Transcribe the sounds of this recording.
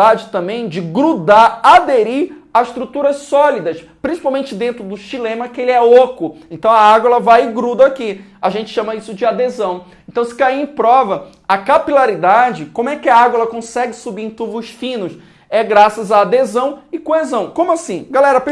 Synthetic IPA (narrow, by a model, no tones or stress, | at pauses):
ad͡ʒɪt̪ɐ̃mbẽj̃d͡ʒɪɡɾud̪aad̪eɾiɾ | aɪʃt̪ɾut̪uɾɐssɔlid̪ɐs | pɾʲĩsi̥pawmẽnt͡ʃɪd̪ẽnt̪ɾʊd̪ʊʃilẽmɐkɪelɪɛlokʊẽnt̪ɐ̃w̃ɐaɡwɛlɐvajɪɡɾud̪ɐakiaʒẽnt͡ʃɪ̥ʃɐ̃mɐisʊd͡ʒɪad̪ezɐ̃w̃ | ẽnt̪ɐ̃w̃sɪ̥kaiẽj̃pɾɔvɐ | ɐkapilaɾid̪ad͡ʒɪkõmʊɛkɪɐaɡwɛlɐkõsɛɡɪsubiẽt̪uvʊsfĩnʊs | ɛɡɾasɐzaːd̪ezɐ̃w̃ɪkoezɐ̃w̃kõmʊasĩɡalɛɾɐp